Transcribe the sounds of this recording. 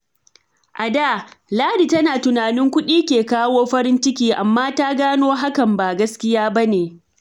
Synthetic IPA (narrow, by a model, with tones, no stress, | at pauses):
ʔa˨da˦˨laː˦ɽi˨tɐ˦naː˨tʊ˨naː˨nɪ˦ŋkʷʊ˦ɗiː˦kʲeː˨kaː˦woː˦ɸɐ˦ɾɪ˦nt͡ʃɪ˦kʲiː˦ʔa˨mːaː˦taː˦ɡaː˦noː˦ɦa˦kɐ˨mba˨ɡɐ˦skʲɪ˦jaː˦bɐ˦neː˨